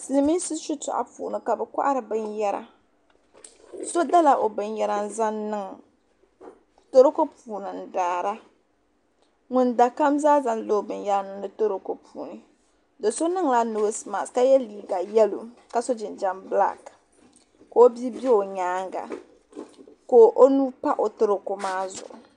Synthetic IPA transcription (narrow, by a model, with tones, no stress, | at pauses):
sɨ˨lɨ˨˦mi˦sɨ˦su˦tʊ̰˨ʔa̰˨pṵː˨nɨ˨ka˨bɛ˨kʷa̰˦ʔa˦ɾɨ˨bɨ˦njɛ˦ɾa̰˨ | so˦da˦la˨ʔo˨bɨ˦njɛ˦ɾa˦n̩˦za˦nnɨ˦ŋ˨ | to˦ɾo˦ko˦puː˨nɨ˨n˨daː˨ɾa˦ | ŋʊ˨nda˨ka˦mzaː˦za˦n˦lo˦˨bɨ˨nja˦nɨ˨nɨ˨to˦ɾo˦ko˦pʰuː˨nɨ˨ | do˨so˦nɨ˦ŋla˦no˨˦sma̰˨ska˦jɛ˦liː˨ɡa˨jɛ˦lṵ˨ka˦so˦d͡ʒɪ˨nd͡ʒa˦mbla̰˦k | ko˨˦o˦bi˦bi˦o˨ɲaː˦ŋɡa̰˨ | ko˨ʔo˦nu˦pa˦ʔo˨tɨ˦ɾo˨ko˨maː˦zʊ̰˨ʔʊ̰˨